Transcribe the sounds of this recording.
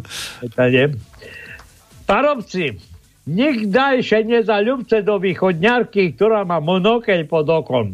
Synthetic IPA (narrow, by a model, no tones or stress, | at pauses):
ɛt̪aɲɛ | paɾɔpt͡si | ɲiɡd̪ajʃɛɲɛzaʎupt͡sɛd̪ɔʋiːxɔd̪ɲaɾkik̚t̪ɔɾaːmamɔnɔkɛcpɔd̪ɔkɔn